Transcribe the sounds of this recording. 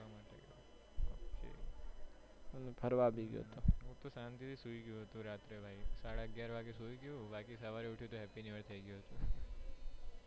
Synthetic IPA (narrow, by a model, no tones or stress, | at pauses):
amaːʈeɡjot̪ | oːkḛ | ənepʰəɾʋabʱiɡjo̰t̪oɦũt̪osãnt̪it̪ʰisuiɡjũɦət̪ũɾaːt̪ɾebʱaisaːɽaəɡjaːɾʋaɡesuiɡjubaːkisəʋaɾeʊʈʰijut̪oɦɛpiniʋəɾt̪ʰəiɡjuɦət̪ũ